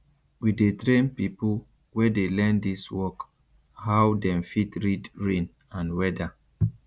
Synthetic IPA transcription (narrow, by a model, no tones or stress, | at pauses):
widetɹẽnpipl | wɛdelɛ̃ndiswɔk | hawdɛ̃mfitɹidɹĩn | ãnwɛda